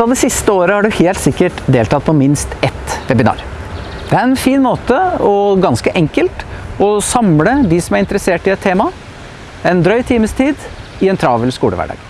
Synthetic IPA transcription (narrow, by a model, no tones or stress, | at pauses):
ɑd̪ɛsɪst̪əoːɾəhɑɖʉheːlt̪sɪkːəʈd̪eːlt̪ɑt̪̚pʰɔmɪnst̪ɛt̪ʋɛbɪnɑ̰ːɾ | d̪̥ɛæɾɛnfiːnmoːt̪əɔɡɑnskəʔɛŋkəlt̪ɔsɑmləd̪ɪsɔmæɾɪnt̪əɾəseːʈɪɛt̪ʰːeːmɑ | ɛnd̪ɾœʏt̪ʰiːməst̪ʰiːd̪ɪɛnt̪ʰɾɑːʋəlskuːə̰ʋæ̰ɖɑ̰ːɡ̥